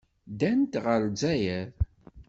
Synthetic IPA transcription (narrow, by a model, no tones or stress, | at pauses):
d̪ænt̪ʁəɾd͡zæjæð